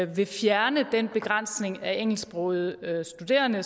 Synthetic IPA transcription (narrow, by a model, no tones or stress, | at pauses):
ʋe̝fjæɐnəd̥enb̥e̝ɡ̥ʁɑn̰sne̝ŋæeŋ̰l̩sb̥ʁɔːð̩ˠøsd̥ud̥e̝̰ːɐnə